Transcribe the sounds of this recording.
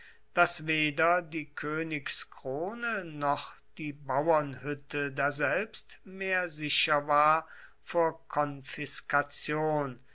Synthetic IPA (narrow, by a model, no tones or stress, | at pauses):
d̥asveːdɐdiːkʰøːnɪkskʁ̥oːnənɔχd̥iːbawɐnhʏtʰədaːɐzɛlpstmeːɐzɪɕɐvaːɐ | foːɐkʰɔnfɪskat͡sjoːn